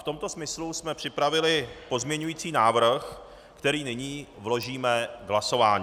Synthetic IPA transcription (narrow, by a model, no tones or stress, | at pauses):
ft̪o̞mt̪o̞smɪslusmɛpr̝̥ɪpɾavɪlɪpo̞zmɲɛɲujiːt͡siːnaːvr̩x | kt̪ɛɾiːnɪɲiːvlo̞ʒiːmɛɡlaso̞vaːɲi